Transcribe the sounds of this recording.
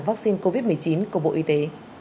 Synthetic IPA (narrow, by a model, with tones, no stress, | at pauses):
vaː˦˥k̚si˧nko˧vi˦˥t̚m˨˩əjt͡ɕi˨˦nku˧˩əɓo̰˧˨ʔi˧t̪e˨˦